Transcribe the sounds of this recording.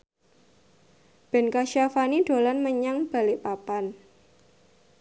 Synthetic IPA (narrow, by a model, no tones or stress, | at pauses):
b̥ɛ̤nkaʃafanid̥o̤lanməɲaŋb̥a̤lɪʔpapan